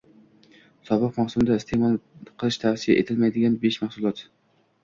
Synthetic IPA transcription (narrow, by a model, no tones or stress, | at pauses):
sɒbɨqmahsʊmd̪aɪst̪ʰemɒlˠqʰəlˠɪʃt̪ʰasɪja̰ʔḛt̪ʰɪlmajd̪ɪɡʲanbeʃmaχsʊlˠɒt̪